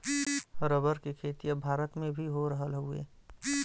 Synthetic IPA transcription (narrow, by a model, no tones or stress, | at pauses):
ɾəβəɾkekʰeːt̪ijãbʱaːɾət̪mẽbʱiɦoɾəɦəlɦʊḛ